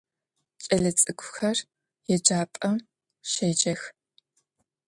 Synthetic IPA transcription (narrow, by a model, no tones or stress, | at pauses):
t͡ʃʼɐɮɐt͡sʼɨkʷʰʼʊxɐr | jɛd͡ʒaːpʼɐm | ʃeːd͡ʒʼɐx